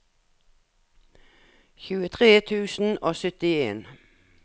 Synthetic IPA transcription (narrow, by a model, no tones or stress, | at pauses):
çʉːət̪ʰʁeːt̪ʰʉːsn̩oːsœt̪ɪḛːn